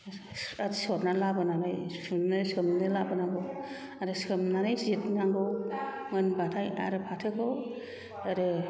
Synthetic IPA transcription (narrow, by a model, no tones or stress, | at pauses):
adisɔɾnalabɯnanajsunnɯsɯmnɯlabɯnaŋɡɯw | aɾɯsɯmnanajzitnaŋɡɯwŋɯnbatʰaja̰ɾɯpʰatʰɯkʰɯw | aɾɯ